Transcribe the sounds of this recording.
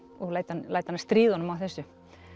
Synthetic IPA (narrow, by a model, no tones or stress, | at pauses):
ɔɣlaːjt̪anlajt̪anːst̪ɾiːðɔnʏmawθɛsʏ